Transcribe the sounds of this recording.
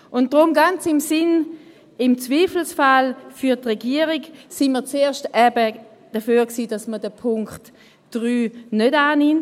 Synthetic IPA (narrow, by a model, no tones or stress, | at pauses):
ʊntd̥ʁʊmɡant͡sɪmsɪn | ɪmt͡sviːfl̩sfalfyɐtʁeɡiəʁiɡsinmət͡seːɐʃtɛbə | d̥əføːʁksiːdɑsmədəpʰʊŋkt | d̥ʁyːnødaːnɪm